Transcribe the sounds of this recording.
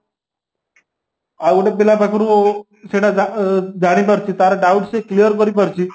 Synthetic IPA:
auɽepilapakʰɾũ | seɽad͡zad͡zaɽ̃ipəɾt͡ɕit̪aɾaɖauʈseklijəɾkəɾipəɾt͡ɕi

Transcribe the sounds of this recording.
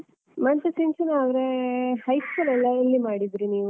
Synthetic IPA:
mɐnt͡ʃeseɲt͡ʃɐnaːd̪ɾehɐjskulɛlːɐilːimaːɽid̪ɾiniːʋu

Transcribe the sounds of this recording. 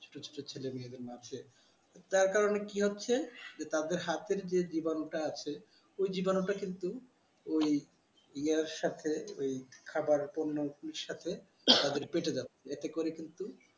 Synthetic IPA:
t͡ɕʰo̥ʈot͡ɕʰo̥ʈot͡ɕʰelemied̪eɾmat͡ɕʰe | t̪aɾkaɾonekiɦotːɕʰed͡ʑet̪ad̪eɾɦat̪eɾd͡ʑed͡ʑibanoʈaat͡ɕʰe | ojd͡ʑibanoʈakint̪u | oj | iaʃat̪ʰeojkʰabaɾponːopuneɾʃat̪ʰe | t̪ad̪eɾpeʈed͡ʑatːeet̪ekoɾekint̪u

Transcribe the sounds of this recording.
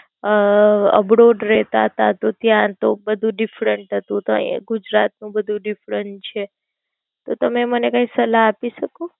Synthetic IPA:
ə̰bɾoɖɾɛɦt̪aɦət̪at̪ot̪jãt̪obəd̪ʱũɖɪfɾəɳʈɦət̪ũt̪oɡud͡ʒɾat̪̚nũbəd̪ʱũɖifɾəɳt͡ʃʰe | t̪ot̪əmemənekãĩsəlaːpiʃəko

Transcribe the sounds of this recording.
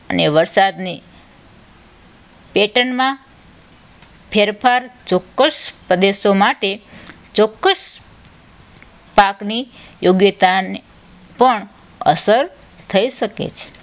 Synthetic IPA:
əneʋəɾsad̪ni | peʈənmã | pʰeɾpʰaɾt͡ʃɔkːəʃpɾəd̪esomaʈe | t͡ʃɔkːəs | paknijoɡjət̪ane | pəɳ | ə̰səɾ | t̪ʰəiʃəkḛt͡ʃʰe̥

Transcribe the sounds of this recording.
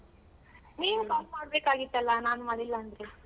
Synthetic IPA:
niːnukaːsmaːɽbeːkaːɡit̪ːɐlːanaːnumɐlilːɐːnd̪ɾe

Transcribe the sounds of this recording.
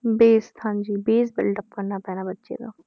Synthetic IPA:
beːst̪ʰand͡ʒiːbeːsbɪ̰lʈəp̚kəɾnapɛːnabətːʃḛd̪a̰ː

